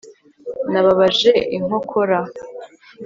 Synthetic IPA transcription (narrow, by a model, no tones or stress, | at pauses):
naβaβaʒe̞ʔiŋo̞kʰo̞ɾa